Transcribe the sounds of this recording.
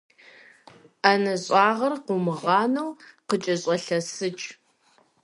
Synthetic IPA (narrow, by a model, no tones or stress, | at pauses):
anɐɕʼɑːʁɐrqumɨʁɑːnɐwqət͡ʃʼɐɕʼɐɬɐsɨt͡ʃʼ